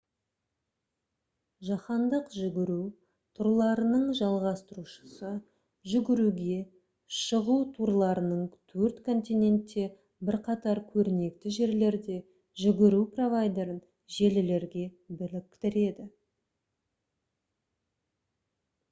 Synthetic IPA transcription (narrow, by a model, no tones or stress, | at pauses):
ʒɑχɑnd̪əqʒʏɡʲɪɾu | t̪ʰʊɾlˠɑɾənəɴʒɑlˠʁɑst̪əɾuʃə̥sə | ʒʏɡʲɪɾuɡʲe̞ | ʃəʁut̪ʰuɾlˠɑɾənəɴt̪ʰɵɾt̪kʰo̞nt̪ʲijnʲe̞nt̪ːe̞ | bɪɾqɑt̪ɑɾkʲʰɵɾɪne̞kt̪ɪʒe̞ɾle̞ɾd̪e̞ | ʒʏɡʲɪɾupro̞vajd̪e̞ɾən | ʒe̞lɪle̞ɾɡʲe̞ | bɪlɪk̚ʲt̪ɪɾe̞d̪ɪ